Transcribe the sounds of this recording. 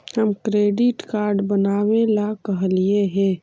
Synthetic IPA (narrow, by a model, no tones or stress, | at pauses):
həmkɾeːɖɪʈkaːɾɖbənaːwelakəɦlieɦɛ̃